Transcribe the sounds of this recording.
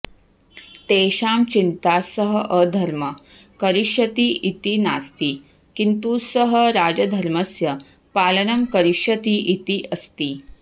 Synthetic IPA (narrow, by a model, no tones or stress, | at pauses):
t̪eːʃaːmt͡ɕint̪aːsɐɦəʔəd̪ʱɐɾmɐ | kɐɾiʃjɐt̪iʔit̪inast̪iː | kint̪usɐɦəɾaːd͡ʒɐd̪ʱɐɾmɐsjɐ | paːlɐnɐmkɐɾiʃjɐt̪iʔit̪iʔɐst̪iː